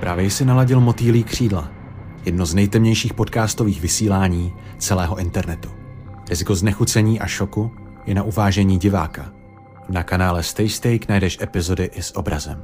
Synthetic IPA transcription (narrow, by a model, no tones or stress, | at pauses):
pɾaːvjɛjsɪnalaɟɪlmo̞t̪iːliːkr̝̥iːdla̰ | jɛdnoznɛjt̪ɛmɲɛjʃiːxpo̞t̪kaːst̪o̞viːxvɪsiːlaːɲiː | t͡sɛlɛːɦo̞ʔɪnt̪ɛɾnɛt̪u̥ɾɪzɪko̞znɛxut͡sɛɲiːʔaʃo̞ku | jɛnaʔuvaːʒɛɲiːɟɪva̰ːka | nakanaːlɛst̪ɛjst̪ɛjknajdɛʃʔɛpɪzo̞dɪʔɪsʔobɾa̰zɛm